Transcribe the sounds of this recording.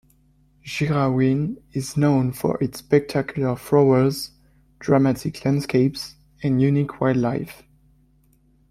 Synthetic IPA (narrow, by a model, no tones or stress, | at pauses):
ʒ̥iɹawĩnɪznõʊ̃nfɔ̰ɹʔɪtspɛk̚tʰakʰjulə˞fɹoə˞z | d̥ɹamatʰɪkʰlæ̃ndskʰeɪps | ɛ̃njʉnikʰwaɪdlaɪf